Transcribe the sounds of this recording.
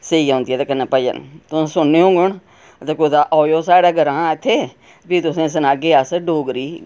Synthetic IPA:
seiːãːnd̪iɛːt̪eːkənaːpəd͡ʒə̰nt̪ʊsẽːsʊnːeõːɡʊɳ | ət̪eːkod̪aːʔoːjoːsaːɽaːɡəɾãːɪt̪ʰːeː | pit̪ʊsẽːs̬ənaːɡeːasɖoːɡɾiː

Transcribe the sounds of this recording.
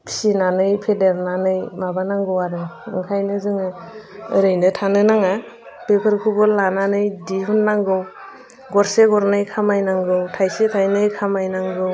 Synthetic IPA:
pʰi̥sinanɯjpʰedeɾnanɯjmabanaŋɡɯwaɾɯɯ̰ŋkʰajnɯzɯŋɯɯɾɯjnɯtʰanɯnaŋa | bepʰɯɾkʰubɔlananɯjdiɦunːaŋɡɯw | ɡɔɾseɡɔɾnɯjkʰamajnaŋɡɯwtʰajsetʰajnɯjkʰamajnaŋɡɯw

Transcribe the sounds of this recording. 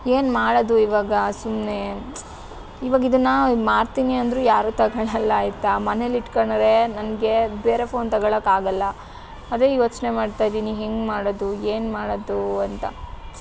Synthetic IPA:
eːnmaːɽod̪uiʋaːɡɐsumne̞ | iʋaːɡid̪ɐnːɐmaːɽt̪iːniɐnd̪ɾuːjaːɾuːt̪ɐɡɐɭɐlːɐːjit̪ːɐmɐneliʈkɐɳɾe̞nɐnɡe̞beːɾe̞pʰo̞ːnt̪ɐɡɐɭɐkːaːɡɐlːɐ | ɐd̪e̞ːjoːt͡ʃne̞maːɖt̪ajd̪iniɦeŋɡmaːɽod̪ueːnmaːɽod̪uɐnt̪ɐ̰

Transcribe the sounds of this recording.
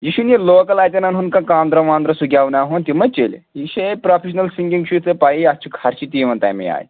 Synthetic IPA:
jiɕunelokɐlajt̪ʲɐnɐnɦunkãkãːnd̪ɾɐʋãːnd̪ɾɐsuɡʱʲaʋnaɦont̪imɐt͡ɕelɦiɕepɾɔfʰeɕnɐlsiŋɡiŋɡɕut͡səpaiɐst͡ʃʰikʰaɾt͡ɕit̪iʋɐnt̪a̰jmḭa̰j

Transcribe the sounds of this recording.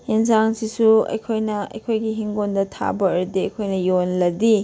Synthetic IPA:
hensaŋsisuɐ̰jkʰojnɐɐ̰jkʰojɡiɦiŋɡondɐtʰa̰bɐːɾudiɐ̰jkʰojnɐjonlɐdi

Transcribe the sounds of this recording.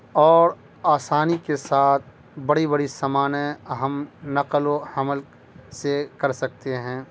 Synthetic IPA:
ɔːɾ | aːsaːnikesaːt̪̚ʰ | bɐɽibɐɽisɐmaːneɐɦəmnɐqloɐməl | sekɐɾsɐk̚t̪eɦɛ̃ː

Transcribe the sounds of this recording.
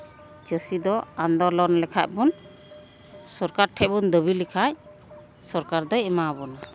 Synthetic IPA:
d͡ʒəsid̪ɔand̪ɔɾlɔɾnlɛkʰa̰ʔ̚bun | sɔɾkaɾʈʰɛbund̪əbilikʰaj | sɔɾkaɾd̪ɔɛmabɔna

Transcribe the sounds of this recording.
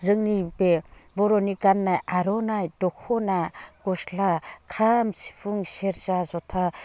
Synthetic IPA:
zɯŋnibebɔɾɔnikanːajaɾɔnajdɔkʰɔnaɡ̥ɔslakʰamsi̥pʰuŋseɾzazɔtʰa

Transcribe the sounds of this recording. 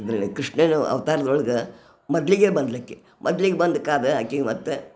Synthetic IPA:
ɐd̪ɾɐikɾiʂɳenuɐ̰ʋɐt̪aːɾɐd̪ɔɭɐɡɐ | mɐd̪ɐliɡeːbɐnd̪ɐlikːe | mʔɐd̪ɐliɡebɐnd̪ukaːd̪eɐkːiɡmɐt̪ːe

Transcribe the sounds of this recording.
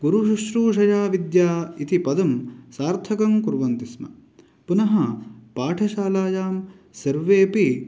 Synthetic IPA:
ɡuɾuʃuʃɾuːʃɐjaːʋid̪jaːit̪ipɐd̪ɐmsaːɾt̪ʰɐkɐmkuɾʋɐnt̪ismɐ̰ | punɐɦɐpaːʈʰɐʃaːlaːjaːm | sɐɾʋeːpi

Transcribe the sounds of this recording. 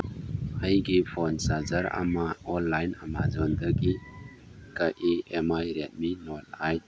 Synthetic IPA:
hajɡipʰɔnsazaɾa̰maɔnlajna̰mazɔnd̪aɡi | kaʔeemajɾet̚minɔt̚aj

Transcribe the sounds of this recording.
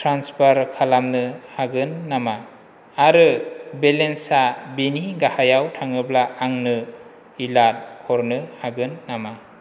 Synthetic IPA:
tʰɾanspʰaɾkʰalamnɯhaɡɯnːamaː | ɾɯbelensabiniɡahajawtʰaŋɯblaaŋnɯ | ilat̚kʰɔɾnɯhaɡɯnːama

